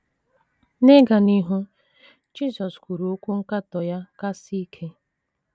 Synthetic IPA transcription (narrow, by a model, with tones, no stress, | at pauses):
ne˦ɡa˨ni˦ɦu˦ | d͡ʒi˦zɔ˨skʷu˨ɾu˨o˦kʷu˦ŋ̩˦ka˦tɔ˨ja˦ka˦si˦i˦kʰe˦